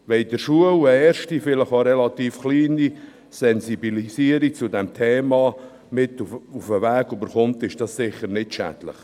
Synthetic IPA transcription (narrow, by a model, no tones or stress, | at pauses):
ʋɛɪdəɾʃuələɛːɾʃtifɪləχoɾɛlɑt̪iːfχliːni | sɛnsibilisiəɾik̚t͡sʊdɛmt̪ʰɛːmɑ | mɪtufufəvæːɡybəɾχʊmt̪ɪʃd̥ɑssɪχəɾnɪtʃæ̰dlə̰χ